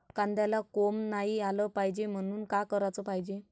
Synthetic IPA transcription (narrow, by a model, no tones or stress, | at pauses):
kand̪jalakomnaɦialəpaɦid͡ʑem̤əɽ̃uːnkakəɾat͡səpaɦid͡ʑe